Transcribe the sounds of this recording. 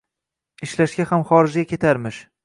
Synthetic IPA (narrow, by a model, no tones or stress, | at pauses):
ɪʃlaʃɡʲahamχɒɾɪd͡ʒɡʲakʲʰe̞t̪ʰaɾmɪʃ